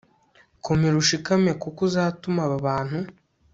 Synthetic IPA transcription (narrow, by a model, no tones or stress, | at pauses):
komeɾuʃikamekukuzaːtumaβaβaːn̥hu